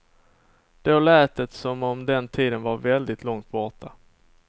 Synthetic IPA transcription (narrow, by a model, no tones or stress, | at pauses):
d̪̥ɛaɭæːt̪ət̪sɔmɔmd̪ɛnt̪ʰiːd̪ənvaɾvɛld̪ɪt̪ʰlɔŋt̪̚bɔʈa